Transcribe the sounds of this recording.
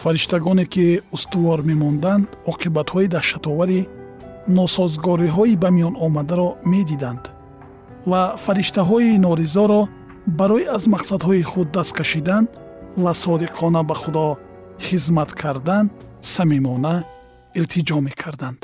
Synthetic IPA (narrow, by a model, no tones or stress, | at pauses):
faɾiʃt̪aɡɔnekiust̪uvɔɾme̞mɔnd̪and̪ɔqʰibat̪hɔid̪aɾʃat̪ɔvaɾi | nɔsɔzɡɔɾiɦɔibamijɔnɔmad̪aɾɔme̞d̪id̪and̪ | vafaɾiʃt̪aɦɔinɔɾizɔɾɔ | baɾɔiazmaqsad̪hɔiχud̪ːast̪̚kʰaʃid̪an | vasɔd̪iqʰɔnabaχud̪ɔ | χizmat̪kʰaɾd̪ansamimɔnæ | ilt̪ʰid͡ʒɔme̞kʰaɾd̪and̪̥